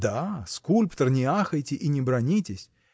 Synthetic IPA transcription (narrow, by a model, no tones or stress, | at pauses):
d̪askulʲpt̪ərnʲɪaxəjtʲɪʔinʲɪbɾɐnʲitʲɪsʲ